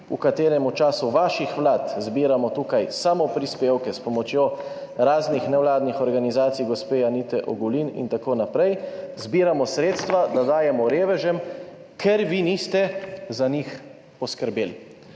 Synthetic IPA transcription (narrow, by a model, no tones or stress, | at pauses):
ukat̪eːɾɛmut͡ʃaːsuʋaːʃixʋlaːt̪zbiːɾamɔt̪uːkajsamɔpɾispeːwkɛspɔmɔt͡ʃjoɾaːznixnɛwlaːd̪nixɔɾɡanizaːt̪sijɡɔspeːjanit̪ɛʔɔ̰ɡulinḭnt̪akoːnapɾɛjzbiːɾamɔsɾeːt̪st̪ʋad̪ad̪aːjɛmɔɾeːʋɛʒɛm | kʰɛɾʋiniːst̪ɛzanix | pɔskəɾbeːl